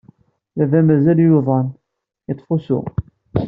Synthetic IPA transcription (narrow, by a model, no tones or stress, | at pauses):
ðævæmæzæljuðˤɑn | ət̪ˤːfusʊ̰